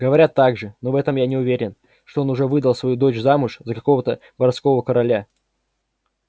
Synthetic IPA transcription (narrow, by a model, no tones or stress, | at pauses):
ɡəvɐɾʲat̪ːaɡʐɨno̞vɛt̪əmjanʲɪʊvʲeɾʲɪn | ʂt̪oo̞nʊʐɛvɨd̪əlˠsvɐjud̪ot͡ɕzamʊʂzəkɐko̞vət̪ə | bɐɾɐt̪sko̞vəkəɾɐlʲa